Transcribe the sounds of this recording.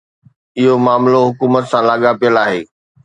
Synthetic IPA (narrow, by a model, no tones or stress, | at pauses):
ɪɦomaːmloɦʊkuːmət̪sãlaːɠapijəlaːɦeː